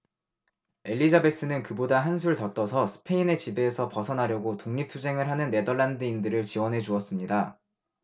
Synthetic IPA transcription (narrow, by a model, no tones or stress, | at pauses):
e̞ʎːid͡ʑabe̞s͈ɯnɯnkɯbodaɦansʰuɾɯɭtʌt͈ʌsʰʌsʰɯ̥pʰe̞ine̞t͡ɕibe̞ːsʰʌpʌsʰʌnɦaɾjʌɡotoŋɲip̚tʰud͡ʑe̞ŋɯɭɦanɯnːe̞dʌɭːandɯindɯɾɯɭt͡ɕiwʌnɦe̞d͡ʑuʌs͈ɯmɲida